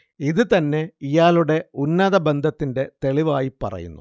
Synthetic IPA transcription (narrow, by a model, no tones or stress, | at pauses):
iðɨt̪ɐnːe̞ijaːluɽe̞unːɐðɐbe̞nd̪ʱɐt̪ːinde̞t̪e̞ɭiʋaːjipɐ̰rɐ̰jṵnːu